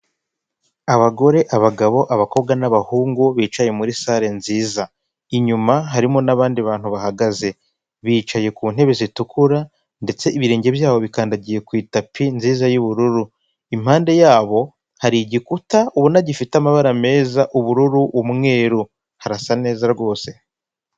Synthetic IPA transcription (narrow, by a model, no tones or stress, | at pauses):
aβaɡo̞ɾe̞ʔaβaɡaβo̞ʔaβako̞βɡanaβahuːŋɡuβiːt͡ʃaje̞muɾisaːɾe̞nziːza | iɲumaɦaɾimo̞naβaːndiβaːn̥huβahaɡaze̞ | βiːt͡ʃaje̞kuːn̥he̞βezitukʰuɾa | nde̞t͡se̞ʔiβiɾe̞ːɲɟe̞βjaːβo̞βikaːndaɟije̞kwiːtapinziːzajuβuɾuɾu | im̥haːnde̞jaːβo̞ | haɾiɟikutauβunaɟifitamaβaɾame̞ːzaʔuβuɾuɾuumŋe̞ːɾu | haɾasane̞ːzaɾɡo̞ːse̞